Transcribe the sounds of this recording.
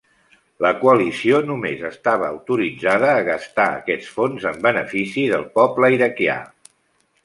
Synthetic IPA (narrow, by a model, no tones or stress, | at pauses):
ləkuəlisionumezəst̪aβ̞əːwt̪uɾid͡zaðəːɣəst̪aə̰kɛt͡sfonzəmbənəfisiðəlˠpɔbləiɾəkia̰